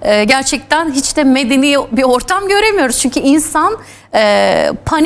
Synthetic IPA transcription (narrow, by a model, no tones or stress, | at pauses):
ɛːɟæɾt͡ʃʰɛc̚t̪ʰænɦit͡ʃd̪ɛme̞d̪enijɛbio̞ɾt̪ʰamɟø̞ɾe̞mijo̞ɾuzt͡ʃʰyɲcʰyinsan | ɛːpʰan